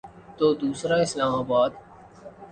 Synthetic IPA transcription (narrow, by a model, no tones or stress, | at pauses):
t̪oːd̪uːsɾaɪslaːmaːbaːd̪